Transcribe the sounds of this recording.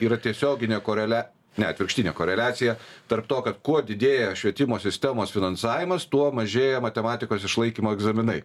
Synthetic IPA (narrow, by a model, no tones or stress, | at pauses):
iːɾɐt̪ʲiɛsʲoːɡʲɪnʲeːkoːɾʲɛlʲæː | nʲɛɐt̪ʋʲɪɾkʃt̪ʲɪnʲḛːkoːɾʲɛlʲæːt̪sʲɪjɛt̪ɐɾpt̪oːkɐt̪kuɔd̪ʲɪd̪ʲeːjɛʃʲʋʲiɛt̪ʲɪmoːsʲɪsʲt̪ʲɛmoːsfʲɪnɐnsɑːʋʲɪmɐst̪uɔmɐʒʲeːjɛmɐt̪ʲɛmɑːt̪ʲɪkoːsɪʃlˠɐɪkʲiːmoːɛɡzɐmʲɪnɐɪ